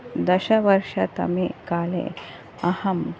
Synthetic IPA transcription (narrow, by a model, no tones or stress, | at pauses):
d̪ɐɕəʋəɾʂat̪ɐ̰mikalḛ | ɐhɐm